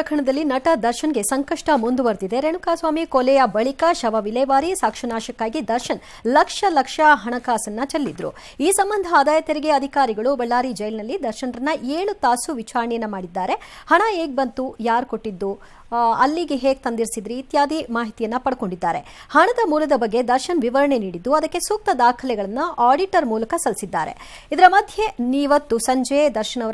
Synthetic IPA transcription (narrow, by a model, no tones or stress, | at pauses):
ɐkʰɐɳɐd̪ɐlːinɐʈɐd̪ɐɾʃɐnɡe̞sɐŋkɐʂʈɐmund̪uʋɐɾd̪id̪e̞ɾeɳukaːsʋaːmikolɛjɐbɐɭikɐʃɐʋɐʋilɛːʋaːɾisaːkʂɐnaːʃɐkːaːɡid̪ɐɾʃɐn | lɐkʂɐlɐkʂɐɦɐɳɐkaːsɐnːɐt͡ʃɐɾlːid̪ɾṵ | iːsɐmbɐnd̪ʱɐaːd̪aːjɐt̪eɾiɡeɐd̪ʱikaːɾiɡɐɭubɛɭːaːɾid͡ʒɐjlnɐlːid̪ɐɾʃɐnɾɐnːɐʔeːɭut̪aːsuʋit͡ʃaːɾɐɳɛjɐnːɐmaːɽid̪ːaːɾe̞hɐɳɐeːɡ̚bɐnt̪ujaːɾko̞ʈːid̪ːu | ɐlːiɡeɦe̞ːɡ̚t̪ɐnd̪iɾsid̪ɾiːt̪jaːd̪imaːɦit̪ijɐnːɐpɐɽko̞ɳɖid̪ːaːɾe̞ | hɐɳɐd̪ɐmuːlɐd̪ɐbɐɡːe̞d̪ɐɾʃɐnʋiʋɐɾɐɳe̞niːɽid̪ːuɐd̪ɐkːe̞suːk̚t̪ɐd̪aːkʰɐlɛɡɐɭɐnːɐʔaːɖiʈɐɾmuːlɐkɐsɐlsid̪ːa̰ːɾe̞̰ | id̪ɐɾɐmɐd̪ʱjeniːʋɐt̪ːusɐɲd͡ʒed̪ɐɾʃɐnɐʋ